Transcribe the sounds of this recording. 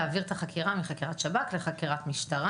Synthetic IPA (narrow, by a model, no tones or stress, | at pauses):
aːviʁt̪aχakʰiʁamiχakiʁatʃabakleχakiʁatmiʃtaʁa